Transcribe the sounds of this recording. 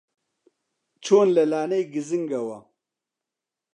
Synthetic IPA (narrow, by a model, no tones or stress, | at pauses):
t͡ʃʰoːnlɐlaːnejɡiziŋɡɐwɐ